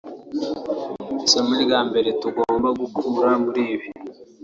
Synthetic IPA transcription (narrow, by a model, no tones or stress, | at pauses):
somiɾɡaːmbe̞ɾe̞tuɡoːmbaɡukʰuːɾamuɾiːβi